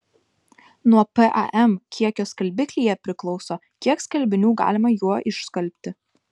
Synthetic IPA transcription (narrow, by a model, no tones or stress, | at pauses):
nuɔpɛʔɑ̰ʔɛmkʲiɛkʲoːskɐlʲbʲɪkʲlʲijɛpʲɾʲɪklˠɒʊsoː | kʲiɛkskɐlʲbʲɪnʲuːɡɑ̰ːlʲɪmɐjuɔʔɪʃskɐlʲpʲt̪ʲɪ